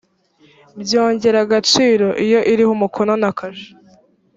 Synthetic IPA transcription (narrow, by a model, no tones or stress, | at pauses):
bjo̞ːɲɟe̞ɾaɡat͡ʃiːɾo̞ʔijo̞ʔiɾihumukʰononakaʒe̥